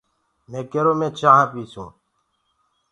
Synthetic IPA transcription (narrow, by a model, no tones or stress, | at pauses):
mẽːkeɾoːmẽːt͡ʃaːɦapiːsṵ̃ː